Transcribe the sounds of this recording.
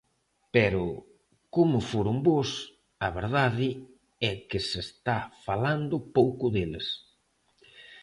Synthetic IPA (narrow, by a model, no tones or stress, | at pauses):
pɛɾʊ | komʊfoɾʊmbos | ɐβeɾðaðɪ | ɛkɪsest̪afaland̪ʊpowkʊðeles